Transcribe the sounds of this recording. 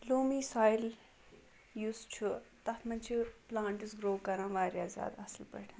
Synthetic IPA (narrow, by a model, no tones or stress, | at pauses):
loːmisajl | juːst͡ʃʰut̪ɐt̪ʰmɐnt͡ʃʰiplaːɳʈisɡɾoːkɐɾãːʋaːɾjaːzʲa̰ːd̪ɐslpɐ̰ʈʰʲː